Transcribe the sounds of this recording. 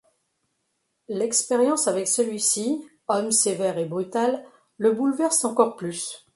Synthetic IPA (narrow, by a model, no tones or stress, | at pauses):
lɛkspeʁjɑ̃savɛksəlɥisi | ɔmsevɛʁebʁyt̪alː | əbulvɛʁsɑ̃kɔʁplys